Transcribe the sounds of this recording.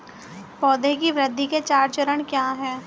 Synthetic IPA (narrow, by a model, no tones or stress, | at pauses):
pɔːd̪ekiʋɾəd̪ʱːiket͡ʃaːɾt͡ʃəɾəɽ̃kjaːɦɛː